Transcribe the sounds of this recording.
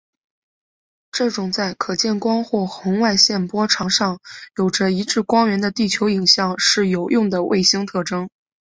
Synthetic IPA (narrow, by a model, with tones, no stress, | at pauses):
ʈ͡ʂɤ˥˩ʈ͡ʂʊ˨˩ŋt͡sa˥˩ɪkʰɤ˨˩t͡ɕjɛ˥˩nkwɑ˥ŋxwɔ˥˩xʊ˧˥ŋwa˥˧ɪɕjɛ˥˩npwɔ˥ʈ͡ʂʰɑ˧˩˥ŋʂɑ˥˩ŋjo˨˩ʊʈ͡ʂə˦i˧˥ʈ͡ʂɻ̩˥˩kwɑ˥ŋɥɛ˧˥nd̪ə˧t̪i˥˩t͡ɕʰjo˧˥ʊi˨˩ŋɕjɑ˨˩ŋʂɻ̩˥˩jo˨˩ʊjʔʊ˥˩ŋd̪ə˩wʔḛ˥˩ɪɕi˥ŋt̪ʰɤ˥˩ʈ͡ʂɤ˥ŋ